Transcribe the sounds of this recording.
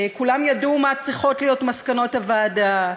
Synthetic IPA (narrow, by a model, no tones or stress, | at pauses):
kulamjadumat͡sʁiχo̞tlijo̞tmaskano̞tavaːda